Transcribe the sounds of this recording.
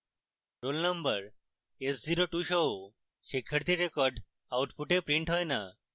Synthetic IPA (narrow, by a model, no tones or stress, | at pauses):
ɾolnəmbəɾ | esd͡ʑiɾoʈuʃoo | ɕekʰːəɾt̪iɾekɔɾɖ | awʈpʰuʈepɾiɳʈɦɔjna̰